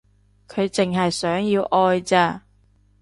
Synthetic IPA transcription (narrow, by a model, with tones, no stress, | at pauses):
kʰɵ˨˧ɥt͡sɪ˨ŋɦɐ˨jsœː˨˥ŋjiː˧wʔɔː˧jt͡saː˧